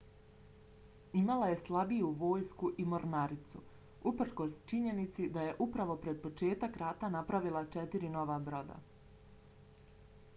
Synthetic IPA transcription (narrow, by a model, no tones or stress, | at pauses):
imalaje̞slˠabijuʋo̞ːjskuʔimo̞ɾnaɾit̪sṵ | upr̩ko̞st͡ʃiɲe̞nit̪sid̪aje̞ʔupɾaʋo̞pɾe̞d̪̚po̞t͡ʃe̞ːt̪akɾaːt̪anapɾaʋilˠat͡ʃet̪iɾino̞ʋabɾo̞d̪a̰